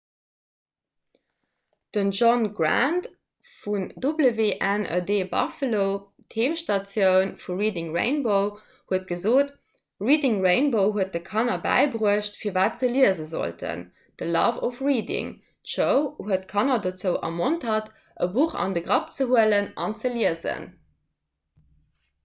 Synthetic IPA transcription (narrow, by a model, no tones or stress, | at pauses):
d̥ənʒɔnɡɹa̰nt | fundubləveːʔænʔə̰deːbɑ̰fəloʊ | tʰeːmʃtɑt͡sjəʊnfuʁiːdiŋʁḛɪnboʊ | huət̚ɡ̥əzoːt | ʁiːdiŋɹeɪnboʊɦuət̚dəkʰɑnɐbæ̰ɪbʁuəʃtfiːɐvaːtt͡səliəzəzo̰ltʰə̰n | d̥əlɑ̰ːvofʁiːdɪ̰ŋ | tʃəʊɦuətkʰɑnɐdot͡səʊʔɑ̰montʰhɑt | ʔəbuχɑ̰ndəɡʁɑp̚t͡səɦuələnɑnt͡səliəzə̰n